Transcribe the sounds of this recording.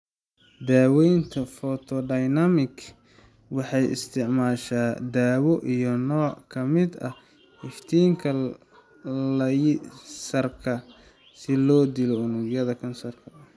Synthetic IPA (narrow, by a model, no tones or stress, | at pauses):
d̪aːwɛjnt̪ʰɐfɔt̪ʰɔɖɐjnɐmɪɡ | wɑħɑjʔɪ̰st̪ʰɪʕmaːʃaːd̪aːwɔʔijɔnɔːkʰɐmɪd̪ɐ | hɪft̪ʰiːŋkʰɐ | lɐjsɐrkʰɐ | sɪlɔːd̪ɪlɔʊnʊɡjɐðɐkʰɐnsɐrkʰɐ